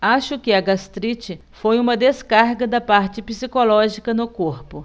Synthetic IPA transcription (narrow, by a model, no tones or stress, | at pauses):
aʃʊkɪɐɡast̪ɾit͡ʃɪ | fojũmɐd̪eskaɾɡɐd̪ɐpaɾt͡ʃɪpisikolɔʒikɐnʊkoɾpʊ